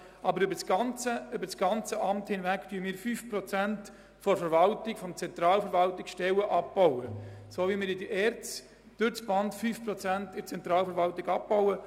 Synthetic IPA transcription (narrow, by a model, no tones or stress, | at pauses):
ʔɑbəɾʏbəsɡ̥ɑnt͡səʏbəsɡ̥ɑnt͡səʔɑmthɪnvæktyːəmɪːɾfyːfpɾɔt͡sænt | fɔɾfəɾvɑltɪkfɔmt͡sɛnt̪ɾɑːlfəɾvɑltɪkʃtɛwəʔɑp̚b̥ɔwəsoːvimɪːɾɪdiʔɛːɾt͡s | d̥ʏt͡sb̥ɑndfyːfprɔt͡sæntɪt͡sɛnt̪ɾɑːlfəɾvɑltɪɡɑp̚bɔʊə